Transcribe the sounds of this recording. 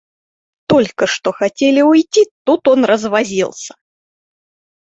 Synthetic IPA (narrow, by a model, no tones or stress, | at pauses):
t̪ɔlʲkəʂt̪ɔxat͡sʲelʲiujt͡sʲit̪ut̪ɔnrəzvazʲilˠsʲɐ̥